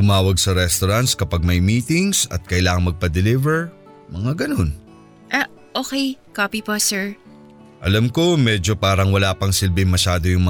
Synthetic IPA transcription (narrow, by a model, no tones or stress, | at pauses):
t̪ʊmaːwɐɡsɐɾɛst̪oɾant̪skɐpɐɡ̚mɐjmiːt̪ɪŋsɐ̰t̪̚kɐjlaːŋɐŋmɐɡ̚pɐd̪ɛlivɛɹ | mɐŋaɡɐno̞n | ʔa | ʔoːkɛjkoːpiposɛɹ | ʔɐlamko̞mɛd͡ʒo̞paːɾɐŋwɐlaːpɐŋsɪlbɪŋmɐʃaːd̪o̞jʊŋmɐ